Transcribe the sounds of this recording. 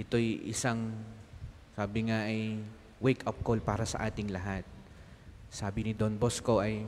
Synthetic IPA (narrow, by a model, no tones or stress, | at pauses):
ʔɛt̪o̞jʔɪ̰saŋ | saːbɪŋaʔɐj | wejkɐp̚kolpaːɾɐsɐ̰ʔaːt̪ɪŋlɐɦat̪̚ | saːbɪnɪd̪onbosko̞ʔɐj